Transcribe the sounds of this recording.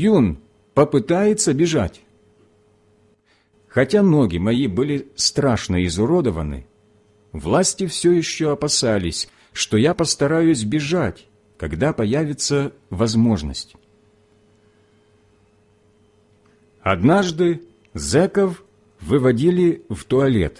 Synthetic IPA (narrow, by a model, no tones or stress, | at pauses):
jun | pəpɨt̪ajɪt̪səbʲɪʐa̰tʲ | xɐtʲanoɡʲɪmɐjibɨlʲɪst̪ɾaʂnəɪzʊɾo̞d̪əvənɨ̰ | vlˠasʲtʲɪfsʲɵjɪɕːoɐpɐsalʲɪsʲ | ʂt̪ojapəst̪ɐɾajʊsʲbʲɪʐatʲ | kɐɡd̪apɐjavʲɪt̪səvɐzmo̞ʐnə̰sʲtʲ | ɐd̪naʐd̪ɨ | zɛkəf | vɨvɐdʲilʲɪvt̪ʊɐlʲḛt̪